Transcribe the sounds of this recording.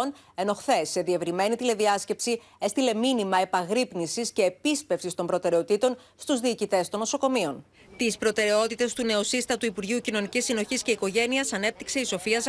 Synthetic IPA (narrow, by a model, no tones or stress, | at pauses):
n | e̞no̞xθe̞sːe̞ðie̞vɾime̞nit̪ile̞ðiɐsce̞psi | e̞st̪ile̞minimɐe̞pɐɣɾipnisisce̞ːpispe̞fsist̪o̞mbɾo̞t̪e̞ɾe̞ot̪it̪o̞n | st̪uzðiːcit̪e̞st̪o̞no̞so̞ko̞mio̞n | t̪ispɾo̞t̪e̞ɾe̞o̞t̪it̪e̞st̪une̞osist̪ɐt̪uipuɾʝiucino̞nicisːino̞çisce̞iko̞ʝe̞niɐsɐne̞p̚t̪ikse̞iso̞fiɐs